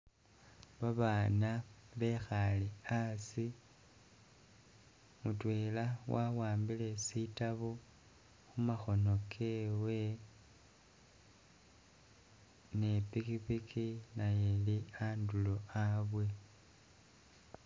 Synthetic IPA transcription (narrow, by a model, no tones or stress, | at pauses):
βaβaːnaβe̞xaleasi | mutwe̞lawawaːmbile̞sitaβo | xumaxo̞no̞kʰe̞we̞ | nepikipikʰinajelianduloaβwe̞